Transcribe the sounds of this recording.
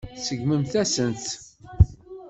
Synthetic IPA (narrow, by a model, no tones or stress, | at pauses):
səɡməmθæsənt̪